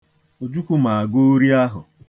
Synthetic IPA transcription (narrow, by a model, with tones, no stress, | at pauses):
o˨d͡ʒu˦kʷu˦ma˨a˨ɡu˦ɾi˦a˦ɦʊ̰˨